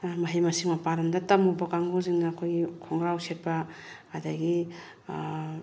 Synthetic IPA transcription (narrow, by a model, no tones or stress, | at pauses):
mɐɦijmɐsiŋmɐpaɾɐmdɐtɐmubɐkaŋɡuziŋnaːkʰojɡikʰɔŋɾawset̚paː | daɡi